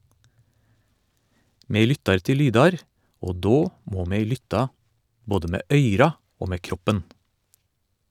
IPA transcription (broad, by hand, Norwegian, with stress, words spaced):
ˈmeː ˈlʏtɑɾ ˈtɪl ˈlyːdɑɾ ˈoː ˈdoː ˈmoː ˈmeː ˈlʏtɑ ˈboːdə ˈmeː ˈʔœʏɾɑ ˈoː ˈmeː ˈkɾɔpən